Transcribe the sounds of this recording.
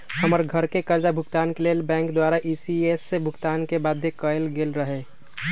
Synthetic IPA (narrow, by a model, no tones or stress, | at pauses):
həməɾɡʱəɾkekəɾd͡ʒabʱʊkt̪aːnkeleːlbɛ̃ːŋkd̪waːɾaʔisiesːebʱʊkt̪aːnkebaːd̪ʱːjekəelɡelɾəɦe